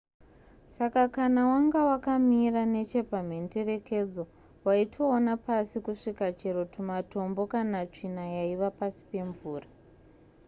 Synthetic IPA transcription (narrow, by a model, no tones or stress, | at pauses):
sakakanawaŋɡawakamirane̞t͡ʃe̞pam̤ende̞re̞ke̞d͡zo̞ | waitʰo̞ːnapasikuʂikat͡ʃe̞ɾo̞tumato̞mbo̞kanat͡ʂinajaiʋapasi̥pe̞ɱvuːra